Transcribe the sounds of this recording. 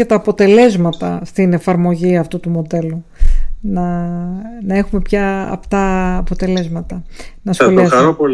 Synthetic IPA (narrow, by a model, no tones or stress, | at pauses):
ɐt̪ɐːpo̞t̪e̞le̞zmɐt̪ɐ̰st̪ine̞fɐɾmo̞ʝiɐft̪ut̪umo̞d̪e̞lunɐ | nɐe̞xume̞pçɐɐ̰pt̪ɐːpo̞t̪e̞le̞zmɐt̪ɐnɐso̞liɐsɐɾoo